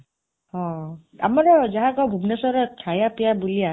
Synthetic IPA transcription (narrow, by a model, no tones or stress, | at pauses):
hɔ̃ | a̰maɹɔzaɦaɡɔbʱubnɔsɔɾɔkʰajapijabulia